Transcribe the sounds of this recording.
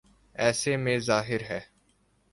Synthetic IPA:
ɛːsemẽzaːɦɪɾɦɛː

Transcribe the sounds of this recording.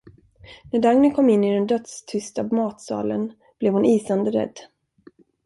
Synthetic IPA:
næɖaŋnɪkʰɔmːɪnːɪd̪ɛnd̪œt̪st̪ʰʏst̪amɑːt̪sɑ̰ːlə̰n | b̥lɛvhʊniːsand̪əɾɛ̰d̪ː

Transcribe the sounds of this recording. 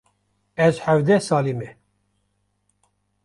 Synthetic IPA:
ɛzħævd̪ɛsɑːlimɛ

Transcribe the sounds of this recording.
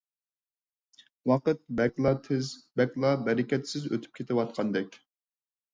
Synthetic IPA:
wɑqət̪̚bɛkʲlˠɑt̪ʰɪzbɛkʲlˠɑbɛɾɪkʲɛt̪sɪzø̰t̪ʰy̥p̚kʲʰet̪ʰɪwɑt̪̚qʰɑnd̪ɛkʲ

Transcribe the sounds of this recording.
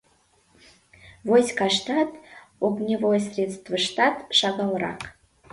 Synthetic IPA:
vosʲkɑʂt̪ɑt̪ | oɡnʲevojəsʲrʲet̪st̪vəʂt̪ɑt̪ʃɑɡɑlˠɾɑ̰k

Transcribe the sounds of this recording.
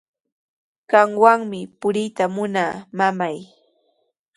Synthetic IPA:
ɢɑŋwaŋmɪpʊɾɪjt̪amʊnaːmamaj

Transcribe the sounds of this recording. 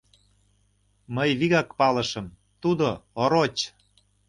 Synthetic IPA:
məjβiɣɑkpɑlə̆ʃəm | t̪ud̪ooɾot͡ɕ

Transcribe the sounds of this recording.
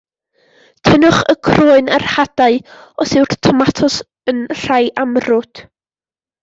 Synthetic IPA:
tʰənʊχəkʰroːɨnarhad̥aɨɔsɪwrtʰɔmatʰɔs | ənr̥ajʔamrʊd̥

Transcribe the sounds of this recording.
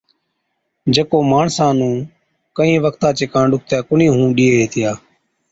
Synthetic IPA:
d͡ʒekoːmaːɳsãːnũː | kəĩːʋəkt̪ãːt͡ʃɪkãːɳɗʊk̚t̪jaːkʊnĩːɦũːɗiːeːɦeːt̪ʰɪjaː

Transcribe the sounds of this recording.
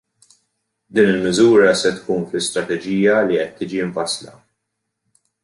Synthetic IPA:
d̪iːnɪlmɪzuːɾɐsɛt̪kuːnflɪst̪ɾɐt̪ɛd͡ʒiːjɐliʔɛt̪ːiːd͡ʒiɪɱfɐslɐ̰

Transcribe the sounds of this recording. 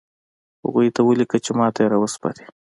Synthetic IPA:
ha̰ɣujt̪awəlikat͡ʃemɑt̪ajeɾawəspɑ̰ɾi̥

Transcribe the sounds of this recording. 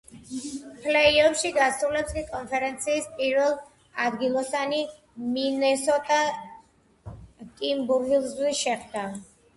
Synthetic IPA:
pʰlɛiɔpʃiɡasɾulɛpskʼikʼɔnpʰɛɾɛnt̪sʰiːspʼiɾvɛlˠ | ad̪ɡilˠɔsani | minɛsɔt̪ʼa | kʼimbuɾɡilˠzwiʃɛχd̪a

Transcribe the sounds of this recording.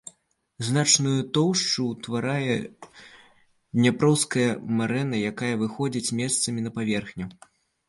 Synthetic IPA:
znat͡ʂnujut̪ɔwʂt͡ʂut̪vaɾajɛ | d̪ʲnʲapɾɔwskɐjɐmaɾɛnɐjakajɐvɨxɔd͡zʲit͡sʲmʲɛst̪sɐmʲinɐpavʲɛrxnʲu

